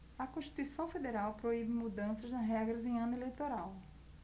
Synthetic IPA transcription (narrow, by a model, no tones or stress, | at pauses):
ɐkõʃt̪i̥t̪uisɐ̃w̃fed̪eɾawpɾoibɪmud̪ɐ̃sɐznɐɦɛɡɾɐzẽj̃ɐ̃nʊelejt̪oɾaw